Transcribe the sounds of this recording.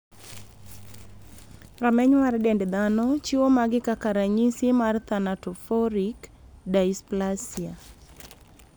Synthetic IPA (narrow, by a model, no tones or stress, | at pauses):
ramɛɲwaɾdɛndɛd̪anɔt͡ʃiwomaɡɪkakaɾaɲisimart̪anatɔfɔɾikdaisplasia